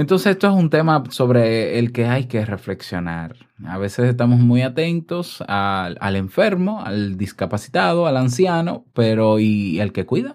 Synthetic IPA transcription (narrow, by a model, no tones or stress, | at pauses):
ent̪onsesest̪o̞es̬unt̪e̞maso̞βɾe̞ːlke̞ajke̞re̞fle̞ksjo̞na̰ɾ | a̰βe̞se̞ses̬t̪amo̞smujat̪e̞nt̪o̞saa̰le̞ɱfe̞ɾmo̞a̰ld̪iskapasi̥t̪aðo̞alansjano̞̰pe̞ɾo̞ielke̞kwiða